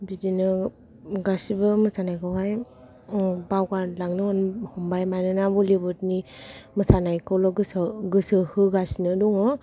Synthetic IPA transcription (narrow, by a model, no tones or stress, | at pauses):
bidinɯ | ɡasibɯmɯsanajkawɦaj | bawɡalaŋnɯhɔnhɔmbajmanɯnabɔlibɯtnimɯsanajkɔwlɔɡɯsɡɯsɯhɯɡasinɯdɔŋɯ